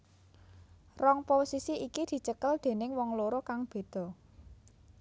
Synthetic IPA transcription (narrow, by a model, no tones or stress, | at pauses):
rɔŋposisiʔikid̪̥i̤t͡ʃəkəld̪̥e̤nɪŋwɔŋloɾokaŋb̥e̤d̪̥ɔ̤